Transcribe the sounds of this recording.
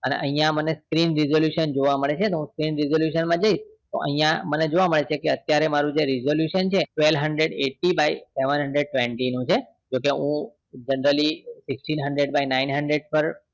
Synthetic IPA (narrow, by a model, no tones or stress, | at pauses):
ənḛʔəɦĩjãməneskɾinɾizoljuʃənd͡ʒoʋaməɭet͡ʃʰet̪oɦũskɾinɾizoljuʃənmãd͡ʒəiʃt̪o̰ʔə̰ɦĩjãməned͡ʒoʋaməɭet͡ʃʰekeət̪jaɾemaɾũd͡ʒeɾizoljuʃənt͡ʃʰeʈʋelɦəɳɖɾeɖeʈibajseʋənɦəɳɖɾeɖ̚ʈʋẽɳʈinũt͡ʃʰe | d͡ʒokeɦũ | d͡ʒənɾəlisɪksʈinɦəɳɖɾeɖbajnainɦəɳɖɾeɖ̚pəɾ